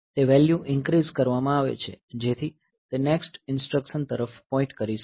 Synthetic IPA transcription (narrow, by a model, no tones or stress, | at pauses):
t̪eʋɛljuʔɪ̃ŋkɾizkəɾʋamãaʋḛt͡ʃʰḛd͡ʒet̪ʰi | t̪eneksʈɪnsʈɾəkʃənt̪əɾəfpɔ̃ɪ̃ɳʈkəɾiʃ